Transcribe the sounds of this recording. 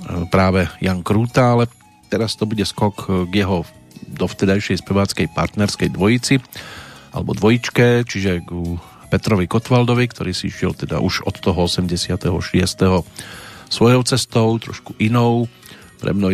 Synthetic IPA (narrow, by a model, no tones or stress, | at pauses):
pɾaːʋɛjaŋkɾuːt̪aalɛ | t̪ɛɾast̪ɔbuɟɛskɔkɡjɛɦɔ | d̪ɔft̪ɛd̪ajʃɛjspɛʋaːt͡skɛjpa̰ɾt̪nɛɾskɛjd̪ʋɔjit͡siʔa̰lɛbɔ̰d̪ʋɔjit͡ʃkɛt͡ʃiʒɛɡ | pɛt̪ɾɔʋikɔt̪ʋald̪ɔʋikt̪ʰɔɾiːsiiʃɪɛ̰lt̪ɛd̪a̰ʔuʃɔt̪ːɔɦɔɔsɛmɟɛsɪat̪ɛɦɔʃɪɛst̪ɛɦɔ | sʋɔjɔʊt͡sɛst̪ɔʊt̪ɾɔ̰ʃku̥ʔinɔʊ | pɾɛ̰mnɔ